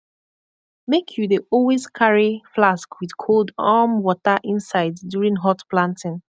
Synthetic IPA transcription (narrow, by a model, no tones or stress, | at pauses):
mekʰjudeʔɔlwezkʰaɹiflaskwið̥kʰolˠdamwɔtəʔĩnsaɪdːjuɹĩŋɦɔtplãntɪ̃ŋ